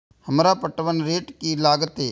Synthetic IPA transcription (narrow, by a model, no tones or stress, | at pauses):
həmɾapəʈʋənɾeːʈkilaːɡət̪ɦeː